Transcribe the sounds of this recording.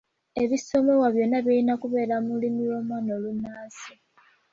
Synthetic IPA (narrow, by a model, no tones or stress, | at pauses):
e̞βiso̞me̞waβjo̞nːaβiinakuβe̞ːɾamulimiwo̞ːmwaːnolunːaːsi